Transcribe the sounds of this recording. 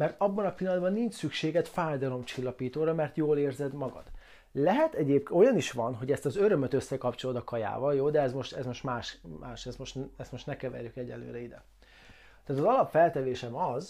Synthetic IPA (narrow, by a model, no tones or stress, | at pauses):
mɛrt̪ɒbːɒnɒpilːɒnd̪bɒnːiɲt͡ʃsykʃeːɡɛt̪faːjd̪ɒlo̞mt͡ʃilːɒpiːt̪oːɾɒmɛrt̪joːleːrzɛd̪mɒɡɒ̰d̪̥ | lɛɦɛt̪ɛɟeːpo̞jɒniʃʋɒnɦo̞ɟɛst̪ɒzøɾø̞møt̪øsːɛkɒpt͡ʃo̞lod̪ɒkɒja̰ːvɒljoːd̪ɛɛzmo̞ʃt̪ɛzmo̞ʃt̪maːʃmaːʃɛst̪mo̞ʃt̪ɛst̪mo̞ʃt̪nɛkɛvɛ̰rjykɛɟːɛ̰lø̰ːɾɛid̪ɛ̰ | t̪aːt̪ɒzɒlɒpfɛlt̪ɛveːʃɛmɒz